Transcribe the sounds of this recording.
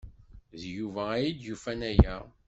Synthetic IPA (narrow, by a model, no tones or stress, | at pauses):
ðjuvææjid̪jufænæjæ